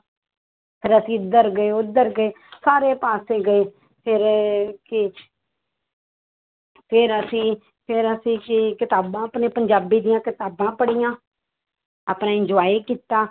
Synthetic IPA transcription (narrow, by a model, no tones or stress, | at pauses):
pʰɪɾəsĩːʊd̪əɾɡəeːʊd̪əɾɡəeː | saːɾeːpaːseːɡəeː | pʰɪɾkɪ | pʰɪɾəsĩː | pʰɪɾəsĩːkɪkɪt̪aːbãːəpneːpəɲd͡ʒaːbiːd̪ijãːkɪt̪aːbãːpəɽijãː | aːpnãːɪnd͡ʒʋaːiːkiːt̪ːaː